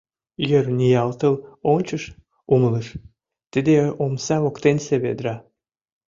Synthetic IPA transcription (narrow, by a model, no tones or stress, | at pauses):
jørnʲijɑlt̪əlonʲt͡ɕəʃ | umələʃ | t̪id̪eomsɑβokt̪enseβḛd̪ɾɑ